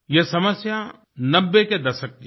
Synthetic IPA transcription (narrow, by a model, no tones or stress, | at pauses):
jesɐməsja | nɐbːeked̪ɐʃək̚t̪i